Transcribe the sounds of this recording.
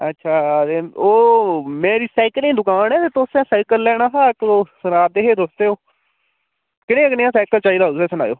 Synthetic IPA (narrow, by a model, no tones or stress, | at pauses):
ətːʃʰaːeːoːmɛ̃ːɾiːsaːɪkəlẽːd̪ʊkaːnɛːt̪eːt̪osɛ̃ːsaːɪkəlːɛːɽ̃aːɦaːkoːsənaːd̪eːɦeːd̪osd̪eːoː | kɪɽẽːəknɪjãːsaːkəlt͡ʃaːiːd̪aːsɛːsəna̰ːjo̰ː